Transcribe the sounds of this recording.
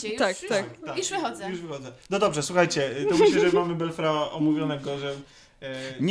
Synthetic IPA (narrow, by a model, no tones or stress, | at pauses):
t̪kt̪akt̪auʂvɪxɔzɛjuʐvɪxɔd̪zɛnɔd̪ɔbʐɛswuxajt͡ɕɛt̪ɔmɘɕlɛʐɛmamɘbɛlfɾaɔmuɡɾɔnɛɡɔʐɛm | ɲ